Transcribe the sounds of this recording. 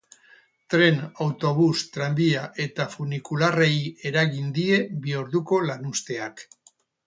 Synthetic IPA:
t̪ɾe̞nawt̪o̞β̞ust̪ɾambiaʔe̞t̪afunikulareje̞ɾaɣind̪ie̞βioɾðuko̞lanust̪e̞ak

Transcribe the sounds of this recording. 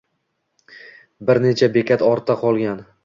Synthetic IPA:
bɪɾne̞t͡ʃʰabekʲʰat̪ɒɾt̪ʰːaqʰɒlˠɡʲan

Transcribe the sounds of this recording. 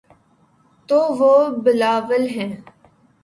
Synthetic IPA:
t̪oːʋoːbɪlaːʋəlɦɛ̃ː

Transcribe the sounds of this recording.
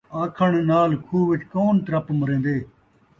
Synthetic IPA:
aːkʰəɳnaːlkʰuːʋɪt͡ʃkoːnt̪ɾɐpməɾẽːn̆d̪eː

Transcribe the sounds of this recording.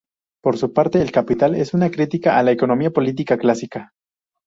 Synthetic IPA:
po̞ɾsupaɾt̪e̞ːlkapit̪ale̞sunakɾit̪ikaalaeko̞no̞miapo̞lit̪̬ikaklasika

